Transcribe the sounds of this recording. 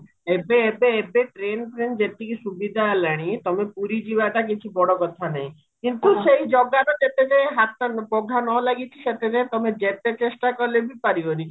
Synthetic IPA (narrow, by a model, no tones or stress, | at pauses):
ebeːbeːbeʈɾenʈɾend͡ʒet̪ikiʃubid̪ʱalaɽ̃it̪ɔmepuɾid͡ʒibaʈak̬it͡ʃʰibɔɽokɔt̪ʰanãj | kint̪uʃejd͡ʒɔɡaɾɔd͡ʒet̪ed͡ʒeɦat̪ːanpɔɡʱanɔlaɡit͡ʃʰiʃet̪ed͡ʒet̪ɔmed͡ʒet̪et͡ʃesʈakɔɾlebipaɾioni